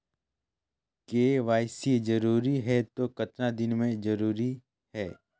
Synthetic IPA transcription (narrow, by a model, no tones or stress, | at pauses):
keːʋaːɪsid͡ʒɐɾuːɾiɦɛt̪okɐt̪nad̪ɪnmẽd͡ʒɐɾuːɾi | ɦɛː